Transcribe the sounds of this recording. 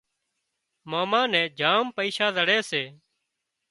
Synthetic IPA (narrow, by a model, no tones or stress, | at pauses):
maːmãːnɛ̃ːd͡ʒʱaːmpəiːʃaːzəɽeːseː